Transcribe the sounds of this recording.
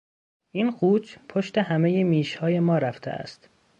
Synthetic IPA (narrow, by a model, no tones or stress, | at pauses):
ʔiːnxuːt͡ʃpʰoʃt̪e̞hæmejemiːʃhɒːje̞mɒːɾæft̪ʰḛʔæ̰st̪